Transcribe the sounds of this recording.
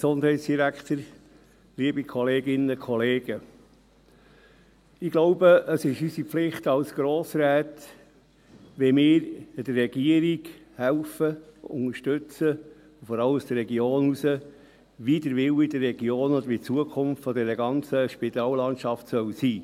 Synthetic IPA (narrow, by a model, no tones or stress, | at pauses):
ksond̥ɦɛɪtsd̥iɾækt̪əɾ | liəbikʰɔleːɡɪnəkʰχɔleːɡ̥ə | ɪɡlɔʊbəʔəsɪʃysipflɪχt̪ɑlsɡ̥ɾoːsɾæːt̪ | ʋɛmɪːɾɪd̥̪ərːɛɡ̥iəɾiɡ | hælfəʊ̰ŋəʃtʏt͡sə | ufɔɾɑlmusd̥̪ərɛɡioːnusə | ʋidəɾʋɪwɪdərːɛɡioːnɔd̪əɾʋit͡suəkʰχʊmftfɔd̥̪ɛɾəɡɑnt͡səʃpit̪ɑːllɑntʃɑftsœwsiː